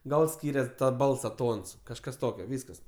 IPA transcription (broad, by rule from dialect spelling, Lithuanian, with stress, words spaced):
ˈɡɐlˠ ˈsʲkʲiːrʲɛs ˈbɐlˠsɐ ˈtoːns kɐʃˈkɐs ˈtoːkʲoː ˈʋʲiːskɐs